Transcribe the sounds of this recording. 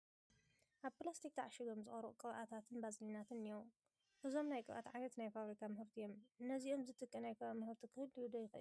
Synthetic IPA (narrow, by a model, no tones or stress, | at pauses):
ʔaβplast̪ʰik̚t̪ʰaʕaʃɪɡomzɨχʼɐɾɨʔukʼɨβʔat̪ʰat̪ʰɨnbazninat̪ʰɨnɨjom | ʔɨzo̞mnajkʼɨβʔa̰t̪ʕajnɐt̪najfaβɾikʰamɨhɨɾt̪ʰijo̞mɨnːɐzio̞mzɨt̪ʰɨkʼːɨnajkʰɨamɨhɨɾt̪ʰikʰɨhɨlːiud̪ɐjɪxʔɨ̰